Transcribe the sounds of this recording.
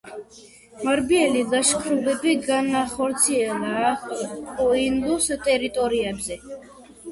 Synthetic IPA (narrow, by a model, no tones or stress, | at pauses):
maɾbiɛlidaʃkʰɾubɛbiɡanaχɔɾt̪sʰiɛlˠaːkʼɔind̪ust̪ʼɛɾit̪ʼɔɾiɛbzɛ